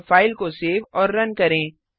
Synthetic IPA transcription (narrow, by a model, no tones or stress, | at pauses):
faːɪlkoseːʋɔːɾːɐnkɐɾẽː